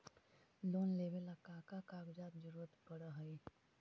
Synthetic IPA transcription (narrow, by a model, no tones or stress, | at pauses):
loːnleːʋelɐkaːkakaːɡd͡ʒaːt̪d͡ʒəɾuːɾət̪bɐɽaɦɐi